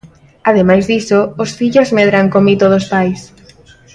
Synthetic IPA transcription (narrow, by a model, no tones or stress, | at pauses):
aðemajzðisoːsfiʎozmeðɾaŋkomit̪oðospajs